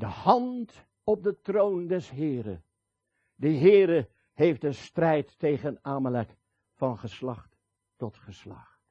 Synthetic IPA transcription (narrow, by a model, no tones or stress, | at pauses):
dəhɑnt | ɔp̚dətrowndɛsɦɪːɾə̰ | dəɦɪːɾə | ɦejftənstrɛjtːejχənaːməlɛk | fɑnχəslɑχtː | ɔtχəslɑ̰χt